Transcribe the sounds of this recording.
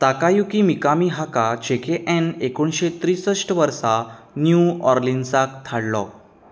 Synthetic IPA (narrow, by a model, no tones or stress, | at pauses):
t̪akajukimikamiɦakat͡ɕekʰeʔɛnekoɳɕet̪ɾisəʂʈʋəɾsa | njuɔɾlinsakt̪ʰaɽlɔ̰